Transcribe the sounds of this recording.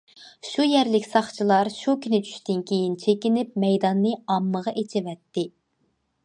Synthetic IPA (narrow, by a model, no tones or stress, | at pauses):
ʃujɛɾlɪkʲsɑχt͡ʃʰilˠɑɾʃukʲʰynɪt͡ʃʰy̥ʃt̪ɪnkʲʰejint͡ʃʰekʲinɪp̚mɛjd̪ɑnːɨɑmːəʁɑʔet͡ʃʰɪvɛt̪ːɪ